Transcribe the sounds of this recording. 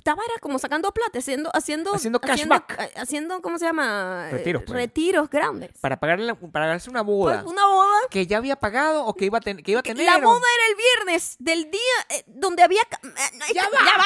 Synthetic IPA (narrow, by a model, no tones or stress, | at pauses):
t̪aβaɾako̞mo̞sakand̪oplat̪easje̞nd̪oʔasje̞nd̪osjend̪okajenbaokasje̞nd̪o̞komose̞jamareiɾospret̪iɾo̞zɡɾand̪espaɾapaɣaɾpaɾaɣanaɾseunaβoða̰unaβoðakeʝaːβiapaɣaðoːkeiβaekeiβat̪enelaɾoðae̞ɾae̞lβje̞ɾne̞sd̪e̞ld̪iad̪ond̪eaβiaka | a